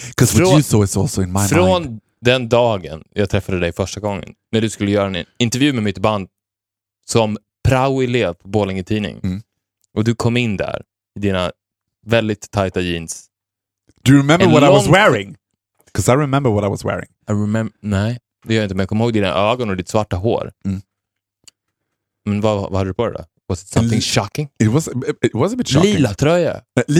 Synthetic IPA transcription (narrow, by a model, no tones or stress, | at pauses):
kʰɔsɔɾoɨsɔːɪsɔlsɔɪ̃nmaɪfɾon | d̪ɛnd̪ɑːɡənjɑːɡ̚t̪ʰɾɛfːad̪əd̪ɛjfœʂʈaɡɔŋːə̰nnæɖɵskɵlːəjœːɾaɛɪnt̪ɛɾvjʉːmɛmɪt̪band̪̚ | sɔm | pʰɾaʊɛleːvpʰɔboːlɪŋɪt̪ʰiːnɪ̰ŋ | ʔɔd̪ɵkʰɔmːɪnd̪æ̰ɾ | ɪd̪iːna | vɛld̪ɪt̪ʰːajt̪ajiːns | d̪̥ɨjɹɪmɛ̃mbə˞wɔɾɾaɪwɔŋzwɛɹɪ̃ŋ | kʰɔsaɪɹɪmɛ̃mbə˞wɔɾaɪwɔzwɛ̰ɹɪ̰̃ŋaɪɹɛmɛmnɛɪ | d̪ɛjœːjaɪnt̪əɛnjakʰɔmːhoːɡ̪̚d̪iːna̰ʔøːɡɔnɔd̪ɪt̪svaʈːaɦo̰ːɾ | mɛnvavahad̪ːəd̪əpʰɾɛ̰d̪ɔ̰ | wɔsɪt̪samθɪŋʃɑkɪŋɪt̪̚wɔzɪwɔzəbɪtʃliːlat̪ʰɾœja̰